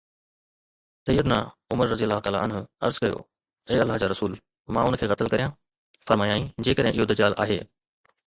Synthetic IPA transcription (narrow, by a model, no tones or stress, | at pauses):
sɐjːəd̪na̰ʊməɾɐzijəlːaːɦʊt̪aːla̰ʔɐnɦʊɐ̰ɾzkɐjo̰ | eːɐlːaɦd͡ʑaːɾɐsuːl | mã̰ːʊnkʰeːɣɐt̪əlkɐɾijãː | fɐɾmaːjaːĩːd͡ʑeːkəd̪ʱɦẽʔɪɦod̪ɐd͡ʑaːlʔa̰ːɦḛː